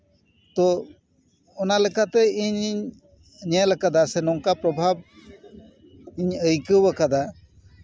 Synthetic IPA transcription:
t̪ɔ | ɔnalɛkat̪ɛiɲiɲ | ɲɛlɛkad̪asɛnɔŋkapɾɔbʱab̚ | iɲəjkəwwakad̪a

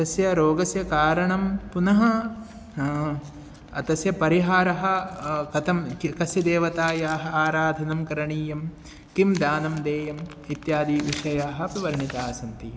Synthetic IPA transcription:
ɐt̪ɐsjɐɾoːɡɐsjɐkaːɾɐɳɐmpunɐɦɐ | ɐt̪ɐsjɐpɐɾiɦaːɾɐɦɐ̆kɐt̪ɐmkikɐsjɐd̪eːʋɐt̪aːjaːɦɐaːɾaːd̪ʱɐnɐmkɐɾɐɳiːjɐm | kimd̪aːnɐmd̪eːjɐm | it̪jaːd̪iːʋiʂɐjaːɦɐ̆piʋɐɾɳit̪aːsɐnt̪i

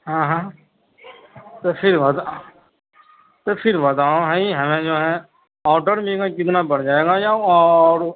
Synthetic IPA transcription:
ɦãːɦãː | t̪opʰɪɾʋɐt̪a | t̪opʰɪɾbɐt̪aːõɦɛ̃iɦɐmẽd͡ʒoːɦɛ̃ | ɔːʈəɾmeɡakɪt̪nabɐɽd͡ʒaːeːɡajaɔːɾ

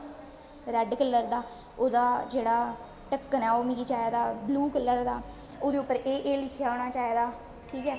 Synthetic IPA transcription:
ɾɛɖkəlːəɾd̪aː | oːd̪aːd͡ʒeːɽaː | ʈəkːənaːoːmiɡiːt͡ʃaːeːd̪aːbluːkəlːəɾd̪aː | oːd̪eːʊpːəɾeːʔeːlɪkʰjaːoːɽ̃aːt͡ʃaːeːd̪aː | ʈʰiːkɛː

